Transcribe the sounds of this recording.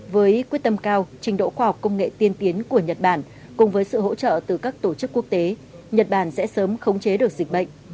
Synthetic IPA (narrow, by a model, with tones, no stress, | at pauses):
vəː˨˦jkwi˦˥ət̚t̪ə˧mkaː˧wt͡ɕï˨˦ŋ̟ɗo̰˧˨xwaː˧ha˨˩wk͡p̚kə˧wŋ͡mŋḛ˧˨t̪i˧ənt̪i˨˦ənku˧˩əɲə˨˩t̚ɓaː˧˩n | kʊ˨˩ŋ͡mvəː˨˦jsɨ̰˧˨ho̰˧˥t͡ɕə̰ː˧˨t̪ɨ˨˩kaː˦˥k̚t̪o˧˩t͡ɕɨ˦˥kːu˦˥ək̚t̪e˨˦ | ɲə˨˩t̚ɓaː˧˩nsɛ̰˧˥səː˨˦mxə˨˦wŋ͡mt͡ɕe˨˦ɗɨ˨˩ək̚zi˨˩k̟̚ɓə̰˧˨jŋ̟